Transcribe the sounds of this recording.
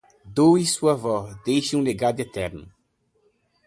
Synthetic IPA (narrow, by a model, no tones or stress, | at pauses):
d̪owisuɐvɔd̪ejʃɐ̃ũleɡad̪ʊet̪ɛɾnʊ̰